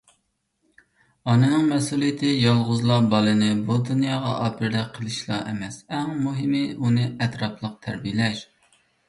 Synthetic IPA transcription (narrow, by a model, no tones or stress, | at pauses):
ɑnɨnɨŋmɛsulˠijɪt̪ʰɪjɑlˠʁʊzlˠɑbɑlˠɨnɪbud̪unjɑːʁɑ̰ʔɑːpʰɪɾd̪ɛk̚qʰːəlˠɨʃlˠɑ̰ʔɛmɛsɛŋmuɦɪmɪunɨɛt̪ɾɑpʰlˠəq̚t̪ʰæɾbijlɛʃ